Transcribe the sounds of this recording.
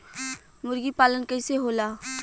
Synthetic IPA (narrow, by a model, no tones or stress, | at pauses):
mʊɾɡipaːlənkəɪseɦoːlaː